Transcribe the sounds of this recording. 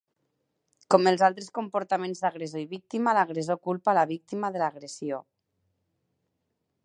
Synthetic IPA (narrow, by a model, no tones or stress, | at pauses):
kɔməlˠzalˠt̪ɾeskompuɾt̪amẽnzðaɣɾezoiβik̚t̪imalaɣ̞ɾezokulˠpalaβik̚t̪imaðəlaɣɾesio